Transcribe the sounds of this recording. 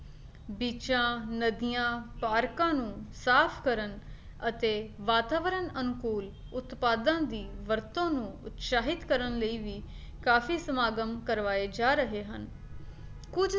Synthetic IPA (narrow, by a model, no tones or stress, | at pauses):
biːt͡ʃãːnəd̪ijãːpaːɾkãːnũːsaːpʰkəɾən | ət̪eːʋaːt̪aːʋəɾənənkuːl | ʊt̪paːd̪ãːd̪iːʋəɾt̪õːnũːʊt̪ʃaːɦɪt̪kəɾənləiːʋiː | kaːfʰiːsəmaːɡəmkəɾʋaːeːd͡ʒaːɾəɦeːɦən | kʊd͡ʒ